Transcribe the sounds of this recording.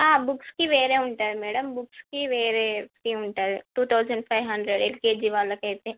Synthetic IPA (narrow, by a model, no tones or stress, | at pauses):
aːbukskiʋeːɾeːuɳʈaːd̪imɛːɽɐmbukskiʋeːɾeːpiːuɳʈaːd̪iʈuːt̪ʰɐwzɐɳɖpʰɐjʋɦɐɳɖɾeɖelkeːd͡ʒiːʋaːlːɐkɐjt̪eː